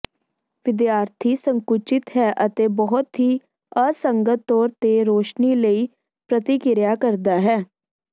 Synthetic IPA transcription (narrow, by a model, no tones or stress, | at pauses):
ʋɪd̪jaːɾt̪ʰiːsəŋkʊt͡ʃɪt̪ɦɛːʔət̪eːbɔɦʊt̪ɦiː | əsəŋɡət̪ːɔːɾt̪eːɾoːʃniːləiː | pɾət̪ɪkɪɾjaːkəɾd̪aːɦɛː